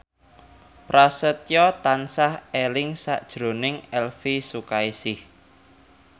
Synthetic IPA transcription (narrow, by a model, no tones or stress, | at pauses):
pɾasət̪jɔt̪ansahelɪŋsa̰ʔd̥ʒ̥ɾo̤nɪŋɛlfisukaisɪh